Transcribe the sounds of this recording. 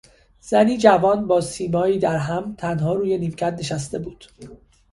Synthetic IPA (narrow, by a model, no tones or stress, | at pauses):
z̥æniːd͡ʒævɒːnbɒːsiːmɒːiːd̪æɾɦæmt̪ʰænɦɒːɾuːje̞niːmcʰæd̪neʃæst̪e̞buːd̪̥